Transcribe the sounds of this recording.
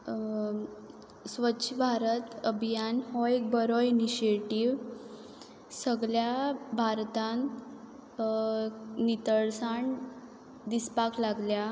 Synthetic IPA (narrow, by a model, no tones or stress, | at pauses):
sʋətːɕʰbʱaɾət̪əbʱijanhɔek̚bəɾɔiniɕeʈiʋ | səɡɭjabʱaɾt̪ãn | nit̪əɭsaɳ | d̪ispaklaɡlja